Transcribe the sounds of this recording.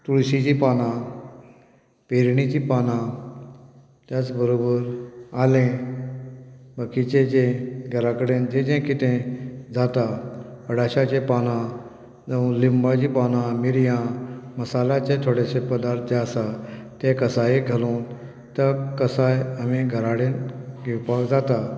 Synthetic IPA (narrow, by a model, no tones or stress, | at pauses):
t̪uɽsid͡ʑipaːnã | peɾɳ̃it͡ɕipaːnã | t̪jat͡sbəɾoːbəɾaːlẽ | bəkit͡ɕet͡ɕẽɡʱəɾakəɽẽnd͡ʑed͡ʑẽkit̪ẽd͡zat̪aəɽaɕat͡ɕẽpanã | d͡zəũlimbad͡ʑipanãmiɾjãməsalat͡ɕẽt̪ʰoɽesepəd̪aɾt̪ʰd͡ʑeəsat̪ẽkəsaɦeɡʱəlõːn | t̪əkəsajəmĩɡʱəɾaɽẽnɡewpakd͡zat̪a